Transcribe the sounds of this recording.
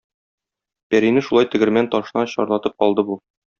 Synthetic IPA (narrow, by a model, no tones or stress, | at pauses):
pæɾinɘʃulˠɑjt̪ɘ̆ɡɘ̆ɾmænt̪ɒʃɤ̆nɑɕɒ̰ɾlˠɑt̪ɤp̚qɒlˠd̪ɤbu